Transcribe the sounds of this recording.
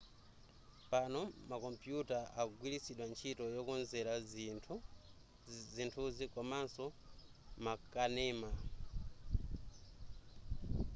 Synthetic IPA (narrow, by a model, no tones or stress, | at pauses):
panɔmakɔmpjutaʔaɡwilisiɗwant͡ʃʰitɔjɔkunzɛɾatʰ | zintʰuzikɔmansɔ | makanɛːma